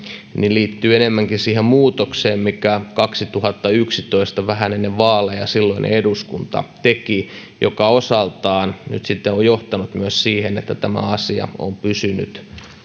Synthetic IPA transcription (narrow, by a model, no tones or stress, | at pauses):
niliːt̪ːyːenemːæŋkinsiːhemmuːt̪okseːmmikækɑksit̪uhɑt̪ːɑyksit̪oist̪ɑʋæɦænenːeʋʋɑːlejɑ̰silːoinʔḛeduskunt̪ɑ̰t̪eki | jokɑosɑlt̪ɑːnny̰t̪sit̪ːeojjoht̪ɑnut̪myøssiːhenḛt̪ːæt̪æmæ̰ɑsiɑ̰o̰mpysyny̰t̪